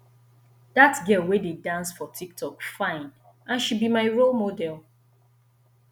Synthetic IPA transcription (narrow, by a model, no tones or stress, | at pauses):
datɡɛlˠwededãnsfɔtʰik̚tʰɔkfãɪ̃n | ãnʃud̚bimaɪɹolˠmodɛlˠ